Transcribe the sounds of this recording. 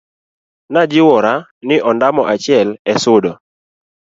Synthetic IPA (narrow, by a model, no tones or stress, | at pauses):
nad͡ʒɪwɔɾanɪʔɔndamɔʔat͡ʃjɛlɛsʊdɔ